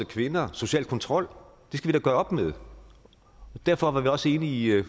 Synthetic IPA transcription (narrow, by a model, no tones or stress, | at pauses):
əkʰʋe̝nɐso̝ɕiɛ̰ːld̚kʰɒ̽nt͡sʰʁɒ̽l̰ | d̥e̝sɡ̥æʋid̥æɡ̥ɶːɐɒ̽b̥með̞ˠ | d̥æɐ̰fɒ̽ʋɑ̈ʋiɒ̽səe̝ːnəi